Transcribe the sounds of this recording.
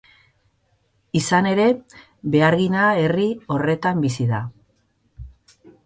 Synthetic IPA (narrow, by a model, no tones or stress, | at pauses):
isane̞ɾe̞ | βe̞aɾɣinae̞rio̞re̞t̪ambisiða